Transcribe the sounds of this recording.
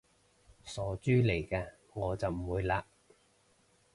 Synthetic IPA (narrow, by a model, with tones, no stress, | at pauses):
sɔː˨˥t͡ʃyː˥le˨˩jkɛː˧ | ŋɔː˨˧t͡sɐ˨wm̩˨˩wuː˨˧jlaː˧